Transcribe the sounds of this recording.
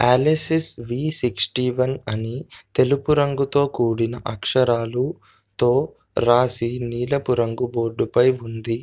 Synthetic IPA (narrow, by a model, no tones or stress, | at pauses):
aːlesisʋiːsiksʈiːʋɐnɐnit̪e̞lupuɾɐŋɡut̪o̞ːkuːɽinɐʔɐkʂɐɾaːlu | t̪o̞ː | ɾaːsiniːlɐpuɾɐŋɡubo̞ːɾɖupɐjund̪i